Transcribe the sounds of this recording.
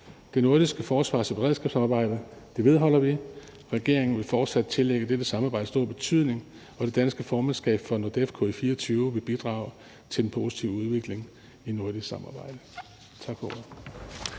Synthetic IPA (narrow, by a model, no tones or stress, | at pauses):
d̥e̝no̝ɐd̥isɡ̥əfɒːsʋɑ̰̈sɒ̽b̥eʁɛðˠsɡ̥ɛ̰ːb̥sɑmɑ̈ːb̥ɑ̈ɪ̰d̥əd̥e̝ʋe̝ð̞ˠɦɒ̽l̰ɐʋi | ʁɛɡ̥e̝ɐ̰e̝ŋn̩ʋe̝lfɒːd̥sæd̥̚t͡sʰe̝leɡ̥əd̥ed̥əsɑ̈mɑ̈ːb̥ɑ̈ɪ̰dəsd̥o̝ɐ̰b̥e̝t͡sʰyð̞̰ˠne̝ŋ | ɒd̥e̝d̥ænsɡ̥əfɒːmænsɡ̥ɛ̰ːb̥fɒ̽nod̥efkʰɔ̰ifiːɐɒt͡sʰyːʊʋe̝b̥id̥ʁɑ̈ːʊ | t͡sʰe̝lenpʰo̝si̥t͡sʰiʊ̰uð̞ˠʋe̝ɡ̥le̝ŋ | ino̝ɐd̥issɑ̈mɑ̈ːb̥ɑ̈ɪ̰d̥ə | t͡sʰɑ̈ɡ̥fɒ